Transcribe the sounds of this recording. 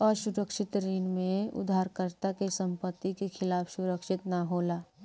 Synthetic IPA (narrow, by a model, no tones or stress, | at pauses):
ɔːɾsʊɾəkʃɪt̪ɾiːnmẽʊ̰d̪ʱaːɾkəɾt̪akesə̃mpət̪ːikexʰɪlaːfʰsʊɾəkʃɪt̪naɦoːlaː